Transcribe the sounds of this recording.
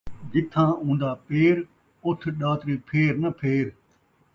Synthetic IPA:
d͡ʒɪt̪ʰːãːũːnd̪aːpeːɾ | ʊt̪ʰɗaːt̪ɾiːpʰeːɾnəpʰeːɾ

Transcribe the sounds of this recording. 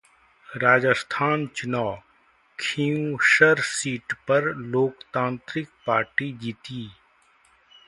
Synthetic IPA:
ɾaːd͡ʒəst̪ʰaːnt͡ʃʊnaː | kʰiːũʃəɾsiːʈpɐɾloːkt̪ãːnt̪ɾɪk̚paːɾʈid͡ʒiːt̪iː

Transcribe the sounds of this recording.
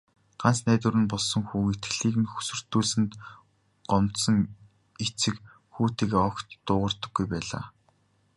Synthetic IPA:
ɢ̥ansnæːt̪ŭɾɘ̆npɔɮsɞ̆ŋxuːxet̪ɡɘɮiːkɘ̆nxu̥sɵ̆r̥t̪ːuːɮsɘ̆nt̪ | ɢɔmt̪sɞ̆ŋ | et͡sɘ̆k | xuːt̪iːkːɔkt̪ːʊːʁə̆rt̪ɞ̆ɡːujpæːɮa̰ː

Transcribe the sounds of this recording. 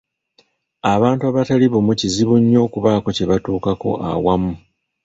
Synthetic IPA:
aβaːntuaβataliβomuciziβuɲːo̞ːkuβaːko̞ce̞βatuːkako̞̰ʔa̰wamu

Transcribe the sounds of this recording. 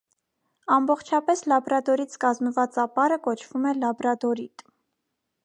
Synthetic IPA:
ɑmbɔχt͡ʃʰɑpɛslɑbɾɑd̪ɔɾit͡sʰkɑzməvɑt͡sɑpɑɾəkɔt͡ʃʰv̥umɛlɑbɾɑd̪ɔɾit̪

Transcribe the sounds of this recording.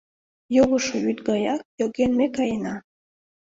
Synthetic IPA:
joɣoʃoyt̪ɡɑjɑk̚joɡenmekɑjənɑ

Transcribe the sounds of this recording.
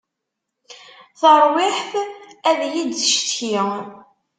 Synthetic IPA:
θəɾˤwɪħθæðjid̪əʃt̪çi

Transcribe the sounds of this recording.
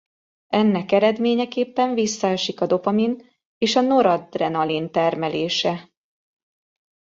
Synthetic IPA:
ɛnːɛkɛɾɛd̪meːɲɛkeːpːɛɱvisːɒɛʃikɒd̪o̞pɒmin | eːʃɒno̞ɾɒd̪rɛnɒlint̪ɛrmɛleːʃɛ

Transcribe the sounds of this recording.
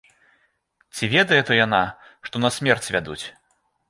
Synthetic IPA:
t͡sʲivʲɛd̪ɐjɛt̪ɔjana | ʂt̪ɔnɐsʲmʲɛrt͡sʲvʲad̪ṵt͡sʲ

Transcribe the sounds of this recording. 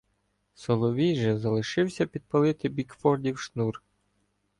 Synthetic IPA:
sɔlˠɔʋʲijʒɛzɐlˠɪʃɪwsʲɐpʲid̪̚pɐlˠɪt̪ɪbʲikfɔrdʲiwʃnur

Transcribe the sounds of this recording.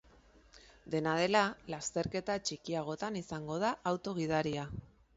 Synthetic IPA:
d̪e̞nað̞e̞lalast̪e̞ɾke̞t̪at͡ʃikiaɣ̞o̞t̪anisaŋɡo̞ð̞aʔawt̪o̞ɣ̞ið̞aɾia

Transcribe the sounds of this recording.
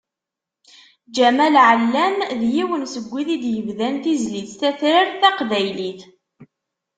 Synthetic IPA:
d͡ʒæmælʕəlːæmðjiwənsəɡʷːiðid̪jəvðænθizliθθæθɾaɾθæqðæjliθ

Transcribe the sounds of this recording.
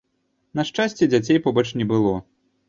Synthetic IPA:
nɐʂt͡ʂasʲt͡sʲɛd͡zʲat͡sʲejpɔbɐt͡ʂnʲɛbɨlˠɔ

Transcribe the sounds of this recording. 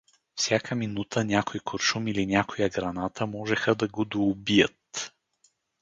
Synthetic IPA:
fsʲjakʰəminut̪ʰənʲakojkʰoɾʃumilinʲakojɐɡɾɐnat̪ʰəmɔʒɛxəd̪ɐɡod̪oːbijət̪

